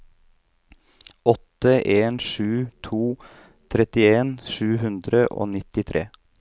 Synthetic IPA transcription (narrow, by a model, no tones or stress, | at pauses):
ʔɔt̪əʔeːnʃʉːt̪ʰuː | t̪ʰɾɛt̪ɪeːnʃʉːɦʉnd̪ɾəʔo̰ːnɪt̪ɪt̪ʰɾʔḛː